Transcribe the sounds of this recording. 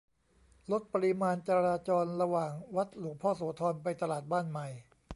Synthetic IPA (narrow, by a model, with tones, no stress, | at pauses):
lo˦˥t̪̚pa˧ɾi˧maː˧nt͡ɕa˧ɾaː˧t͡ɕɔː˧nɾa˧waː˨˩ŋwa˦˥t̪̚luː˩˦k̚pʰɔː˥˩soː˩˦t̪ʰɔː˧npa˧jt̪a˧laː˨˩t̪̚baː˥˩nma˨˩j